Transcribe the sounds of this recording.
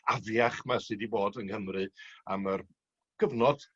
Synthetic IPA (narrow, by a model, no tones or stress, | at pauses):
avjaχmasɨːdiboːdənkəmrɨa̰mar | ɡ̥əvnɔd̥